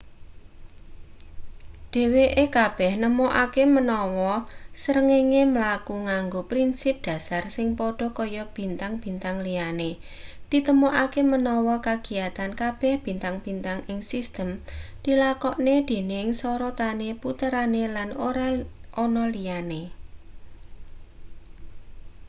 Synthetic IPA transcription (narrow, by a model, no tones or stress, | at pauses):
ɖ̥e̤weʔekab̥ɛhnəmoʔakemənɔwɔsəɾəŋeŋeməlakuŋaŋɡopɾinsɪp̚d̥a̤sarsɪŋpɔɖ̥ɔ̤kɔjɔb̥i̤nt̪aŋb̥i̤nt̪aŋliane | d̪̥i̤t̪əmoʔakemənɔwɔkaɡ̥i̤jat̪ankab̥ɛhb̥i̤nt̪aŋb̥i̤nt̪aŋɪŋsist̪əmd̪̥ilakɔʔned̪̥e̤nɪŋsɔɾɔt̪aneput̪əɾanelanoɾaʔɔnɔlijane